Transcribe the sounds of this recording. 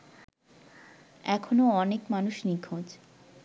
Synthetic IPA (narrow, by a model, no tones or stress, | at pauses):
ɛkʰonoɔnekmanuʃnikʰõd͡ʑ